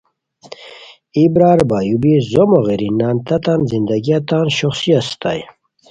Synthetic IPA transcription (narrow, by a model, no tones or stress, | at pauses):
ibɾaːɾbajubizomoɣiɾinant̪at̪anzind̪aɡiat̪anɕoχsiast̪a̰j